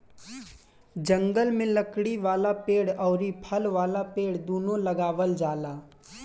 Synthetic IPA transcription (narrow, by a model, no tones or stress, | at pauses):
d͡ʒə̃ŋɡəlmẽləkɽiʋaːlapeːɽɔːɾipʰəlʋaːlapeːɽd̪oːnõləɡaːʋəld͡ʒaːlaː